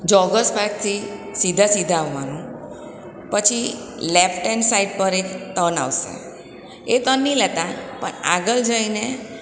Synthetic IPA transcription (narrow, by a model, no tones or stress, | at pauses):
d͡ʒɔɡəsbak̚t̪ʰisid̪ʱasid̪ʱaːʋʋanũ | pət͡ʃʰi | lepʰʈensaiɖ̚pəɾekt̪əna̰ʋsḛ | et̪ənːĩlɛt̪apə̰ɳa̰ɡəld͡ʒəine